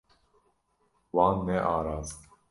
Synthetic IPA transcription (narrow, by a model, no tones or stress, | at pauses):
waːnːɛʔaːɾaːz